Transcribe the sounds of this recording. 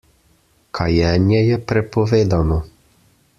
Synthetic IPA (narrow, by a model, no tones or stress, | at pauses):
kʰɐjɛɲʲjɛjɛpɾɛpɔʋɪd̪anɔ